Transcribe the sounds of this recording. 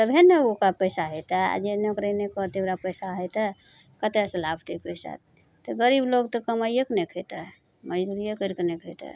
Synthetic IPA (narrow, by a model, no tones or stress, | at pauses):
t̪əbʱeneokapəjsaɦəjt̪əa̰d͡ʒeneokɾenekɔɾt̪eoɾapəjsaɦət̪ə | kət̪esəlabʰʈikpəsa̰t̪ | t̪əɡəɾibloɡt̪əkəməjəknekʰət̪ə | məd͡ʒd̪uɾijəkəɾknekʰəjt̪ə̰